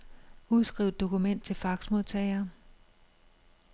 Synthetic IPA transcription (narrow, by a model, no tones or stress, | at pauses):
uðˠsɡ̥ʁḭʊ̥d̥o̝kʰumen̰d̥̚t͡sʰe̝lfɑ̈ɡ̥smo̝ðˠt͡sʰɛːɪɐː